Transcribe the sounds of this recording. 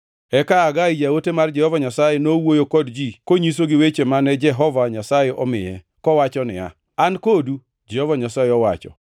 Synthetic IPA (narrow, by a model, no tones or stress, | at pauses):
ɛkaːɡaid͡ʒawotemard͡ʒɛhɔvaɲasajenowojokɔdd͡ʒikoɲis̬oɡɪwet͡ʃemanɛd͡ʒɛɦɔvaɲasajeʔɔmɪjɛ | kɔwat͡ʃɔnɪ̰a̰ | ankodu | d͡ʒɛhɔvaɲasajeɔwa̰t͡ʃɔ̰